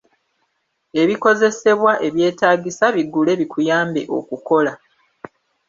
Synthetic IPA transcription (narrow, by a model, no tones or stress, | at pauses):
e̞βiko̞ze̞se̞βwaʔe̞βje̞ːtaːɡisaβiɡule̞ːβikʰujaːmbḛʔo̞̰kuko̞la